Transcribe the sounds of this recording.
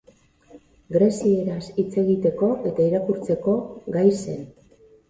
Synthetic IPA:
ɡɾe̞sie̞ɾasit͡se̞ɣit̪e̞ko̞ʔe̞t̪aiɾakuɾt͡se̞ko̞ɡajse̞̰n

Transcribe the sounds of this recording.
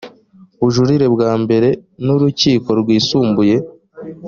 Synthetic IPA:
uʒuɾiɾe̞bɡaːmbe̞ɾe̞nuɾuciːko̞ɾɡwiːsuːmbuje̞

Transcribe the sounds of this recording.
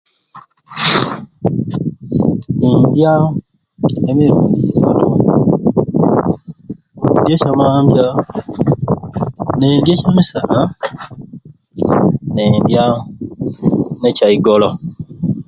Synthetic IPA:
indja | emeɾnisa̰tu | ndecamambja | nendjecamisaʔa | neindja | necaiɡolɔ

